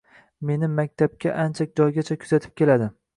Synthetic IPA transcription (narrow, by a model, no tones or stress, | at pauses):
me̞nɪmak̚ʲt̪ʰab̚kʲaʔant͡ʃʰak̚ʲd͡ʒɒjɡʲat͡ʃʰakʰʊzat̪ʰɪ̥p̚kʲe̞lad̪ɪ